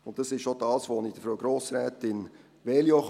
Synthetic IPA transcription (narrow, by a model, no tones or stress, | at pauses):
ʊntd̥ɑsɪstʃod̥ɑːsʋoːnɪçd̥əfɾoʊɡɾoːsɾɛːtɪn | ʋeljoχ